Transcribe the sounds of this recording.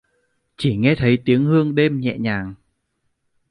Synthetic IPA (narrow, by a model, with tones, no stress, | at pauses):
t͡ɕi˧˩ŋɛ˧t̪ʰə˨˦jt̪i˨˦əŋhɨ˧əŋɗe˧mɲɛ̰˧˨ɲaː˨˩ŋ